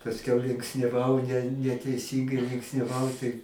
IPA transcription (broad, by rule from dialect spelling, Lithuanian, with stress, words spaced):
pɐsʲˈkʲɛʊ lʲɪŋksʲnʲɛˈʋɐʊ nʲɛ nʲɛtʲɛɪˈsʲiːŋɡɐɪ lʲɪŋksʲnʲɛˈʋɐʊ tɐɪ